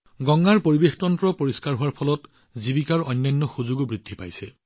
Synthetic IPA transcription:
ɡɔŋːaɹpoɹibextɔntɹɔpoɹiskaɹɦʊwaɹpʰɔlɔt | zibikaɹɔjnːajnːɔxuzuɡbɹidʱːipa̰jsɛ

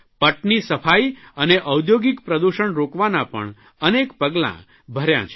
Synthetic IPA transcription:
pəʈnisəfʰaiəneʔəwd̪joɡikpɾəd̪uʃəɳɾokʋanapə̰ɳ | ənekpəɡlã̰ | bʱəɾjã̰t͡ʃʰ

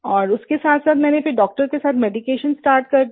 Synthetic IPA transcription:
ɔːɾʊskesaːt̪ʰsaːt̪mɛ̃ːnepʰɪɾɖɔːk̚ʈəɾkesaːt̪ʰmɛːɖikeːʃənsʈaːɾʈ̚kɐɾ

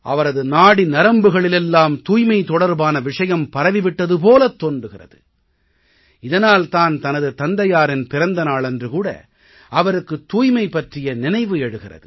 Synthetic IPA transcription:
ʔɐʋɐɾɐðɯnaːɽinɐɾɐmbɯɣɐɭɪlɛlːaːmt̪uːjmɐɪt̪ːɔɽɐɾbaːnɐʋɪʂɐjɐmpɐɾɐʋɪʋɪʈːɐðɯp̬oːlɐt̪ːoːndrɯɣɪrɐ̰ðɯ | ɪðɐnaːlt̪aːnt̪ɐnɐðɯt̪ɐnd̪ɐjaːɾɪnpɪɾɐnd̪ɐnaːɭɛndrɯkuːɽɐ̰ | ɐʋɐɾɯkːɯt̪ːuːjmɐɪpːɐʈrɪjɐnɪnɐɪʋɯɛɽɯɣɪrɐ̰ðɯ

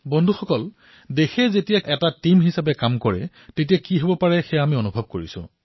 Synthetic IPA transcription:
bɔndʱuxɔkɔl | dexɛzetijaʔɛtatimɦisap̬ɛkamkɔɹɛ̰ | tetijakiɦobɔpaɹɛxɛamionubʱɔb̚koɹisʊ̰̃

